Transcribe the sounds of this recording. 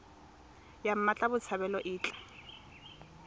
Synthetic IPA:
jam̩mat͡ɬʼabʊt͡sʰaβɛlɔʔɪːt͡ɬʼḁ

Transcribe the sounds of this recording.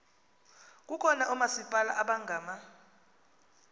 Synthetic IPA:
k̬ʼukʰɔnaʔumasipʼalaʔaɓaŋɡʱaːma

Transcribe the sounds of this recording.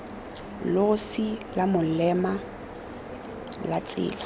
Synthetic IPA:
lʊʊsilamʊlɛma | lat͡sʼɪ̰ːla

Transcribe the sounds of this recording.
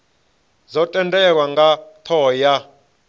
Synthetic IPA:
zɔtʼɛntʼɛk̬waŋɡat̪ʰɔːja

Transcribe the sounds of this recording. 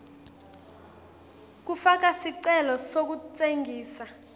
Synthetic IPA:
k̬ufak̬asiǀɛlɔsok̬ut͡sʼeŋɡʱiːsa

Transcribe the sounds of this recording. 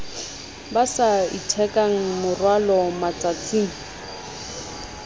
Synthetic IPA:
basaitʰɛkʼaŋ̩mʊrwalɔmat͡sat͡sʼiːŋ̩

